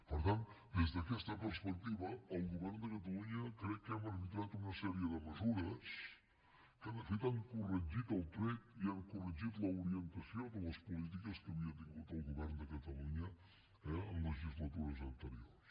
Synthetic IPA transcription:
pəɾt̪ant̪ | d̪ezðəkɛst̪əpəɾspək̚t̪iβəːlˠɣuβɛɾrnd̪əkət̪̬əluɲəkɾɛkkːəməɾβit̪ɾat̪unəsɛɾiəðəməzuɾəs | kənəɾfit̪aŋkurəʒit̪əlˠt̪ɾɛt̪iəŋkurəʒit̪ləuɾiənt̪əsjod̪ələspulit̪̬ikəskəβiəd̪iɣut̪əlˠɣuβɛɾnd̪əkət̪əluɲə | ɛəmləʒizlət̪uɾəzənt̪əɾioɾs

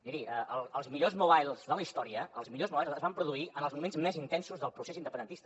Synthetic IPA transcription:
d̪iɾiəʔəlˠəlˠzmiʎozmuβajlˠzðələist̪ɔɾiəəlˠzmiʎozmuβajlˠzəzβampɾuðuiʔənəlˠzmumenzmɛzint̪ɛnsuzðəlˠpɾusezind̪əpənd̪ənt̪ist̪ə

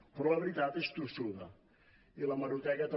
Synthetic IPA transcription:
pɾɔlɐβɾit̪at̪est̪usuðɐ̰ | ilɐmɐɾut̪ɛkɐt̪

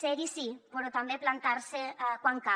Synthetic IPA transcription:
seɣisipoɾot̪ambeplant̪aɾsekwaŋka

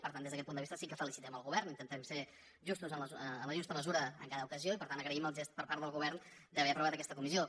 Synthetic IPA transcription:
pəɾt̪and̪ezðəkɛt̪̚pund̪βist̪əsikəfəlisit̪ɛməlˠɣuβɛɾnint̪ənt̪ɛmse | ʒust̪uzənləənləʒust̪əməzuɾəə̰ŋkaðəukəzioipəɾt̪ant̪əɣɾəiməlˠʒest̪̚pəɾpaɾt̪ðəlˠɣuβɛɾn | d̪əβɛpɾuβat̪əkɛst̪əkumizio

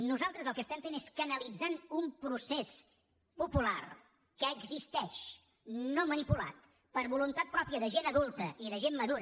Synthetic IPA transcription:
nuzalˠt̪ɾəzəlˠkəst̪ɛmfeneskənəlid͡zanumpɾuses | pupula̰r | kəːɡzist̪ɛʃ | nomənipula̰t̪̚ | pəɾβulunt̪at̪̚pɾɔpiəðəʒenəðulˠt̪əʔiðəʒemmːəðuɾə

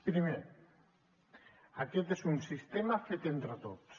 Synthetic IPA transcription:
pɾime | aket̪esunsist̪emafet̪ent̪ɾət̪ot̪s

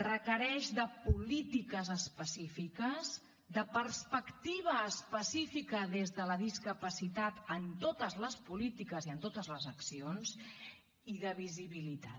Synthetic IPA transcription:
rəkəɾɛʒðəpulit̪ikəzəspəsifikəz | d̪əpərspəkt̪iβəːspəsifikəðezðələðiskəpəsit̪at̪ənt̪ot̪əzləspulit̪ikəziənt̪ot̪əzləzəksionz | iðəβiziβilit̪a̰

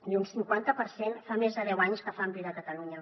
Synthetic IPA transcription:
unsiŋkwant̪əpəɾsenfamezðəðɛwaɲskəfampiðəkət̪əluɲə

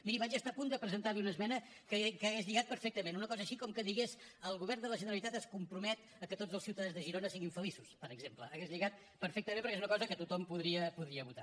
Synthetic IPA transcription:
miɾiβad͡ʒəst̪apund̪əpɾəzənt̪aɾliunəzmɛnə | kəkəːɣezʎiɣat̪̚pəɾfek̚t̪əmenunəkɔzəːʃikɔmkəðiɣesəlˠɣuβɛrnd̪ələʒənəɾəlˠit̪at̪əskumpɾumɛt̪ | əkət̪odd͡zəlˠsiwt̪əðanzðəʒiɾonəsiɣiɱfəlisuspəɾəɡzempləːɣezʎiɣat̪̚ | pəɾfɛk̚t̪əmẽmpəɾkezunəkɔzəkət̪ut̪ɔmpuðɾiəpuðɾiəβut̪a

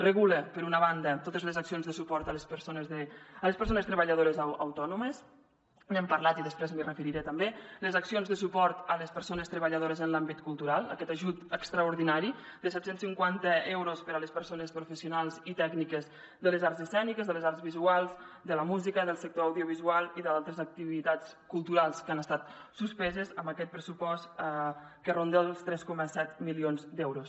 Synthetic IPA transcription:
rəɣuləpəɾunəβand̪ət̪ot̪əzləzaksionzðəsupɔɾt̪ələspəɾsonəzəələspəɾsonəst̪ɾəβəʎəð̞oɾəzaə̰wt̪ɔnuməs | mɛmpəɾlat̪iðəspɾɛzmirəfəɾiɾet̪əmbeləzaksionzðəsupɔɾt̪ələspəɾsonəst̪ɾəβəʎəð̞oɾəzənlambit̪̚kulˠt̪uɾalˠə̰kɛt̪aʒut̪əkst̪ɾəuɾðinaɾi | d̪əsɛt̪sensiŋkwant̪əɛwɾospəɾələspəɾsonəspɾufəsiunalˠzit̪ɛɡnikəz | ðələzaɾzəsɛnikəzðələzaɾzβizualˠzd̪ələmuzikəðəlˠsək̚t̪oəwðioβ̞izualˠiðalˠt̪ɾəzək̚t̪iβit̪at͡skulˠt̪uɾalˠskanəst̪at̪̚suspɛzəzəmbəkɛt̪̚pɾəsupɔst̪ | kərond̪əəlˠst̪ɾɛskɔməsɛt̪milionzd̪ɛwɾos

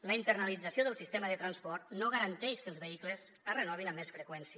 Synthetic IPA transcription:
ləint̪ərnəlid͡zəsioðəlˠsist̪eməðət̪ɾanspɔrt̪noɣəɾənt̪ɛʃkəlˠzβəikləzərənɔβ̞inəmːesfɾəkwɛnsiə

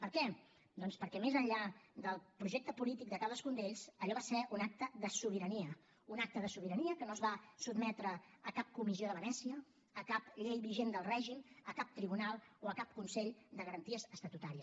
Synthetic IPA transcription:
pəɾkɛ | d̪ɔnspəɾkɛmezəɲʎad̪əlˠpɾuʒek̚t̪əpulit̪ik̚d̪əkaðəskund̪eʎzəʎɔβasɛʔunak̚t̪əðəsuβ̞iɾəniə | unak̚t̪əðəsuβ̞iɾəniəkənoəzβasubmɛt̪ɾəːkap̚kumizioðəβənɛsiəː | kapʎejβiʒend̪əlˠrɛʒiməkap̚t̪ɾiβunalˠoəkap̚kunseʎd̪əɣəɾənt̪iəzəst̪ət̪ut̪aɾiə

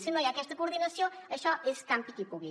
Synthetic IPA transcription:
sĩnõjakɛʃt̪ɐkuɾðinɐsjõɐʃɔʔesk̪ãmpik̪ipuβi

